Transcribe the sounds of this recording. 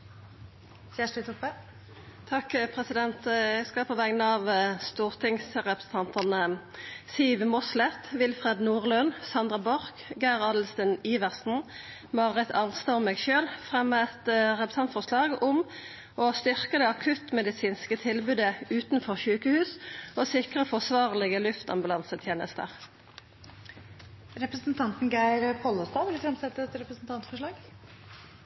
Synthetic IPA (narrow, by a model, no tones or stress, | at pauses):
sæʂət̪ʰupə | t̪ʰɑkpʰʁɛsɪd̪ɛnt̪ɛɡskɑlpʰɔʋɛɡnəɑːʋst̪uːʁt̪ʰɪŋsʁɛpʁəsn̩t̪ʰɑnt̪əʁnəsiːʋmɔslɛt̪ʋɪlfʁɛd̪nuːʁlœnsɑnd̪ʁɑbɔʁkɡæʁɑːd̪l̩səniːʋəʁsn̩ | mɑʁɛt̪ʰɑnst̪omɛːɡʃøːlfʁɛmːəɛt̪ʁɛpɾəsɑnt̪fɔʁʂlɑːɡʊm | ost̪ʏʁkəd̪ɛːɑkʰʉt̪mɛd̪ɪsiːnskət̪ʰɪlbʉːd̪əʉːt̪n̩fɔʁçʉːkəhʉːsoːsɪkʁəfɔʁsʋɑːʁlɪɡəlʉft̪ɑ̰mbʉlɑnsət̪ʰjeːnə̰st̪ə̰ʁ | ɾɛpɾəsnt̪ʰɑnt̪n̩ɡæɪɾpʰɔlːɔst̪ɑːʋɪlɪfɾɛmsɛt̪ːəɛt̪ɾɛpɾəsn̩t̪ʰɑnt̪fɔʂɭɑːɡ